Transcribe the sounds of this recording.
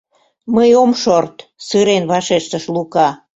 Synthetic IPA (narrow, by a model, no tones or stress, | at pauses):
məjomʃort̪sɨɾenβɑʃeʃt̪əʃlukɑ